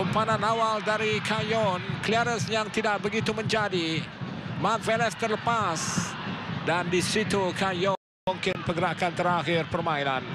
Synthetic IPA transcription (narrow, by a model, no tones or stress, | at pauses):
umpanãnawaldaɾikʰajɔnkliaɾəsjaŋt̪idaʔ̚bəɡit̪umə̃ɲd͡ʒadi | mak̚vɛlɛft̪ərləpas | dandisit̪ukajɔnmuŋkɪnpəɡəɾakant̪əɾaxɪrpərmãilan